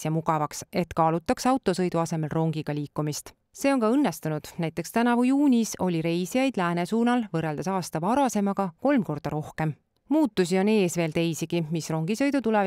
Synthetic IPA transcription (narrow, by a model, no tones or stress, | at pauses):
jɑmuɡɑvɑkse̞t̪kɑːlut̪ːˑɑksɑwt̪ːˑosɤjd̪uɑse̞me̞lro̞ŋɡiɡ̥ɑlʲiːkːˑumist̪ | seːo̞nkɑɤnːe̞st̪unud̪̥næjt̪ˑːe̞kst̪ænɑvujuːnʲiso̞̰lʲiɾe̞jsijɑjd̪̥læːne̞suːnɑlvɤrːeld̪ɑsɑːst̪ɑvɑɾɑse̞mɑɡɑko̞lmko̞rd̪̥ɑɾo̞hke̞m | muːt̪ːˑusʲio̞ne̞ːsve̞ːlt̪e̞jsiɡ̥imisro̞ŋɡ̥isɤ̞jd̪ut̪ulev